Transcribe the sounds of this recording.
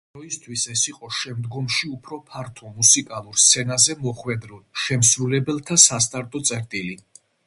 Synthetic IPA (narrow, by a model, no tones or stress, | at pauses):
d̪ɔist̪ʰwisɛsiqʼɔʃɛmd̪ɡɔmʃiupʰɾɔpʰaɾt̪ʰɔmusikʼalˠuɾst̪sʰɛnazɛmɔχwɛd̪ɾɔʃɛmsɾulɛbɛlˠt̪ʰasast̪ʼaɾt̪ʼɔt̪sʼɛɾt̪ʼili